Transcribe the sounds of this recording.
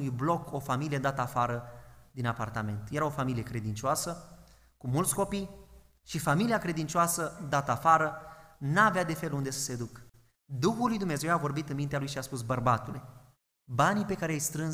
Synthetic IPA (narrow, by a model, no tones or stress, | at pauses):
ujblo̞ko̞familijed̪at̪əafaɾəd̪inapa̰rt̪ame̞nt̪je̞ɾao̞familije̞kɾe̞d̪int͡ʃoasə | kumult̪sko̞pij | ʃifamiliakɾe̞d̪int͡ʃoasəd̪at̪əafaɾənaːvead̪e̞fe̞lund̪e̞sə̥se̞d̪uk | d̪uxulːujd̪umne̞ze̞wavo̞rbit̪ɨnmint̪ealujʃiaspusbərbat̪ule̞ | banipe̞kaɾeejst̪ɾɨn